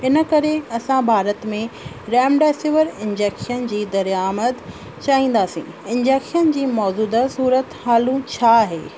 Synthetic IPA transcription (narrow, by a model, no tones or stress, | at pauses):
ɪnə̆kɐɾeɐsãbʱaːɾət̪mẽ | ɾɛːmɖaːsɪʋəɾɪ̃nd͡ʑeːkʃənd͡ʑiːd̪ɐɾjaːməd̪ | t͡ɕaːĩːn̆d̪aːsḭ̃ː | ɪ̃nd͡ʑeːkʃənd͡ʑiːmɔːzuːd̪əsuːɾət̪haːlũt͡ɕʰaːɦeː